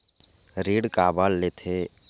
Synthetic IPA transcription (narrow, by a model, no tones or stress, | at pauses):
ɾiːɽkaːbalːet̪ʰe